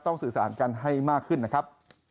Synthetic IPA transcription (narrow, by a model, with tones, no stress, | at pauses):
t̪ɔ˥˩ŋsɯː˨˩saː˩˦nka˧nɦa˥˩jmaː˥˩kʰːɯ˥˩nːa˦˥kʰɾa˦˥p̚